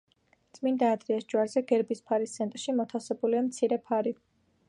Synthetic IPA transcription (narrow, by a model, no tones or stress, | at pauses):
t̪sʼmind̪aːd̪ɾiasd͡ʒwaɾzɛɡɛɾbispʰaɾist̪sʰɛnt̪ʼɾʃimɔt̪ʰasɛbuliamt̪sʰiɾɛpʰaɾi